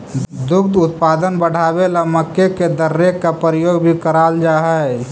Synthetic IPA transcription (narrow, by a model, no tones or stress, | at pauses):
d̪ʊkd̪ʊt̪̚paːd̪ənbəɽ̤aːbelaməkːeked̪əɾːekːapɾəjoːɡbʱikəɾaːld͡ʒaːɦɛ